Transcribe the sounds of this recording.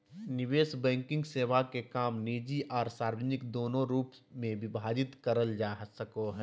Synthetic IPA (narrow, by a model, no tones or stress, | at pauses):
nɪʋeːsbɛ̃ːŋkɪ̃ŋɡseːʋakekaːmniːd͡ʒiʔɔːɾsaːɾʋəd͡ʒnɪkd̪oːnõɾuːp | mẽʋɪbʱaːd͡ʒɪt̪kəɾəld͡ʒaːsəkoɦɛː